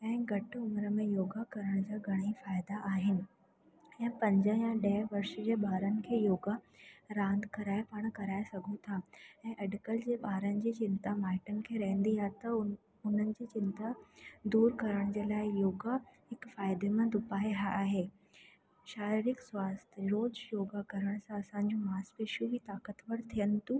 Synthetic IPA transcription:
ɛ̃ːɡʱɐʈʊmɾəmẽjoːɡakɐɾəɽ̃d͡ʑaːɡʱɐɽ̃ifaːɪd̪aʔaːɦɪnɪ̆ | ɛ̃ːpɐ̃ɲd͡ʑəjãɗɛɦʋɐɾʃəd͡ʑeːɓaːɾənɪ̆kʰeːjoːɡaɾãːnd̪kɐɾaːɪpaːɽ̃kɐɾaːesɐɡʱũt̪ʰaɛ̃ːʔɐɖkəld͡ʑeːɓaːɾənɪ̆d͡ʑiːt͡ɕɪnt̪amaːɪʈənɪ̆kʰeːɾɐɦə̃nd̪iaːɦt̪ɐ | ʊn̤ənɪ̆d͡ʑiːt͡ɕɪnt̪ad̪uːɾkɐɾəɽ̃d͡ʑeːlaːɪjoːɡahɪkfaːɪd̪emãd̪ʊpaːeɦaaːɦeː | ʃaːɾiɾɪkswaːst̪ʰɾoːd͡ʑjoːɡakɐɾəɽ̃sãɐsãːɲ̆d͡ʑũmaːspeːʃjuʋit̪aːkət̪ʋɐɽt̪ʰijənɪ̆t̪u

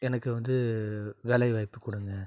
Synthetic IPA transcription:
ɛnɐkːɯʋɐnd̪ɯʋɛlɐɪʋɐɪpːɯkːʊɽɯŋɡɐ

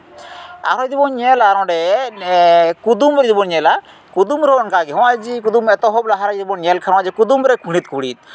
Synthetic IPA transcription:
a̰ɾɔd̪ibɔnɲɛlaɾɔ̃ɖɛ | kud̪umɔd̪ibɔnɲɛla | kud̪umɾɔɔnkaɡiɦɔ̃wad͡ʒikud̪umɛt̪ɔɦɔblaɦaɾaɡd̪ibɔnɲɛlkʰaɾɔ̃ad͡ʒikud̪umɾɛkʰũɽ̃it̪̚kuɽḭt̪̚

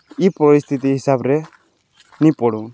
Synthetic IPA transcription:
ipɔɾist̪ʰit̪iɦisabɾɛ | nipɔɽun

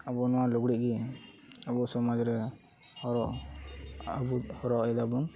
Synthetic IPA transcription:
abɔnɔwaluɡɽiʔ̚ɡi | abuʔsɔmɔd͡ʒɾɛ | hɔɾɔʔ | abuhɔɾɔʔɛd̪abɔn

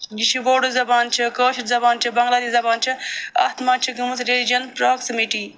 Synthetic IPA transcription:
d͡ʒiʃiboːɖɨzɐbaːnt͡ʃʰikəːʃizɐbaːnt͡ʃʰibɐŋɡlaːd̪izɐbaːnt͡ʃʰiɐ̰t̪maːnt͡ʃʰiɡɨmusɾelid͡ʒɐnpɾoːksimiʈi

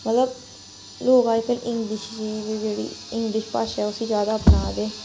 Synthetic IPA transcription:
mət̪ləb̚ | loːkaːpəlʔɪ̃ŋɡlɪʃd͡ʒiːiːd͡ʒeːɽḭːɪ̃ŋɡlɪʃpaːʃɛːʊsĩːzjaːd̪aːpnaːd̪eː

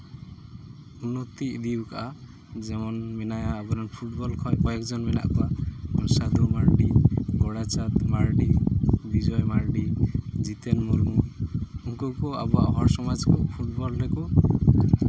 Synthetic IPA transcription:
unːɔt̪iʔd̪ibkaʔa | d͡ʒɛmɔnmɛnajaːbɔɾɔnpʰuʈ̚bɔlkʰɔjkɔjɛkʰd͡ʒɔnmɛna̰ʔkɔaɔnsad̪umaɾɖiɡɔɽat͡ʃat̪maɾɖib̪id͡ʒɔjmaɾɖid͡ʒit̪ɛnmɔɾmuuŋkɔkɔa̰bɔaʔɦɔɾsɔmad͡ʒkɔpʰuʈ̚bɔlɾɛkɔ

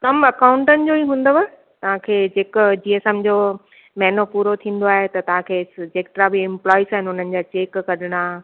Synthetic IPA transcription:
kɐmɐkãːʊ̃ɳʈənɪ̆d͡ʑoːiːɦũːnd̪oʋa | t̪ɐʋ̤ãkʰeːd͡ʑeːkd͡ʑiːesemd͡ʑo | mɛːnopuːɾot̪ʰĩːn̆d̪oaːɦet̪ɐt̪ɐʋ̤ãkʰeːɪsd͡ʑeːkʈɾabiɪ̃mplɔːisaːɦɪnʊn̤ənɪ̆d͡ʑaːt͡ɕeːkːɐɗɪɽ̃aː

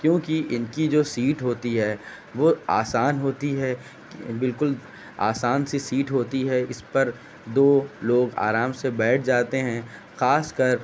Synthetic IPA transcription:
kjõːkiʔɪnkid͡ʒoːsiːʈɦoːt̪iɦɛː | ʋoːa̰ːsaːnɦoːt̪iɦɛː | bɪlkʊl | a̰ːsaːnsisiːʈɦoːt̪iɦɛɪspɐɾ | d̪oːloːɡa̰ːɾaːmsebɛːʈʰd͡ʒaːt̪eɦɛ̃ | xaːskɐɾ

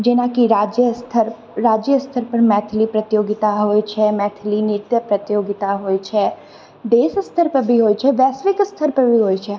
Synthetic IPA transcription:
d͡ʒɪnãkiɾaːd͡ʒjəst̪ʰəɾ | ɾaːd͡ʒjəst̪ʰəɾpɐɾmɛːt̪ʰɪlipɾɐt̪joːɡɪt̪aɦoːit͡ʃʰɛmɛːt̪ʰlinɪɾt̪jəpɾɐt̪joːɡɪt̪aɦoːit͡ʃʰɛ | d̪eːsəst̪ʰəɾpɐɾbʱiɦoːit͡ʃʰɛʋɛːsʋɪkɪst̪ʰəɾpɐɾbʱiɦoːit͡ʃʰɛ

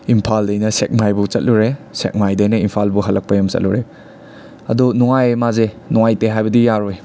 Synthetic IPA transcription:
impʰaldajnɐsek̚majbut͡ʃɐt̚luɾesḛk̚majdajnɐimpʰalbuɦɐlːɐk̚pɐjɐmt͡ʃɐ̰t̚luɾe | ɐ̰dunɔŋajmaze | nɔŋajteɦajbɐdijaɾoj

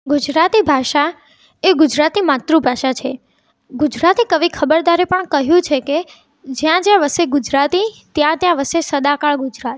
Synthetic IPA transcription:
ɡud͡ʒɾat̪ibʱaʃa | eɡud͡ʒɾat̪imat̪ɾũbʱaʃat͡ʃʰe | ɡud͡ʒɾat̪ikəʋikʰəbəɾd̪aɾepəɳkəɦjũt͡ʃʰeke | d͡ʒjãd͡ʒjãʋəseɡʊd͡ʒɾat̪it̪jãt̪jãʋəsesəd̪akaɭɡʊd͡ʒɾat̪

